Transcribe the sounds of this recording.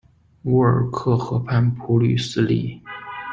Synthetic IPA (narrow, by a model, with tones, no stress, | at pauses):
u˧˥ə˞˨˩kʰɤ˥˩xɤ˧˥pʰa˥˩npʰu˧˥ly˥˩sɹ̩˥˧li˥˩